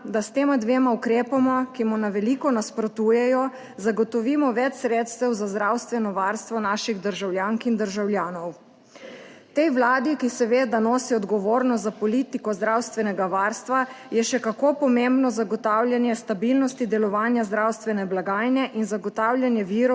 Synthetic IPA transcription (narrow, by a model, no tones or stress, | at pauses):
d̪ast̪eːmad̪ʋeːmaukɾeːpamɔkimɔnaʋɛlikɔnaspɾɔt̪uːjɛjɔ | zaɡɔt̪ɔʋiːmɔʋɛt͡ʃsɾeːt̪st̪ɛwzazd̪ɾaːwst̪ʋɛnɔʋaɾst̪ʋɔnaːʃiɣd̪əɾʒawljaːŋkind̪əɾʒawljaːnɔw | t̪ɛjwlaːd̪ikisɛʋeːd̪anɔːsiɔd̪ɡɔʋoːɾnɔst̪zapɔlit̪ikɔzd̪ɾawst̪ʋɛnɛɡaʋaːɾst̪ʋa | jɛʃɛkakopɔmembnɔzaɡɔt̪aːwlʲjanjɛst̪abilnɔst̪id̪ɛlɔʋaːnjazd̪ɾawst̪ʋɛnɛblaɡaːjnɛʔinzaɡɔt̪aːwljanjɛʋiːɾɔ